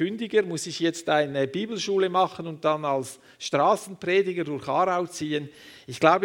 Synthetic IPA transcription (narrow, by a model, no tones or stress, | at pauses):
ʏndɪɡəɾmʊsɪçjɛt͡staɪnəbiːbl̩ʃuːləmɑχənʊnt̚d̥ɑnɑls | ʃtʁaːsn̩preːdɪɡəɾdʊɾxɑːɾaʊt͡siːənɪçɡ̥laʊbə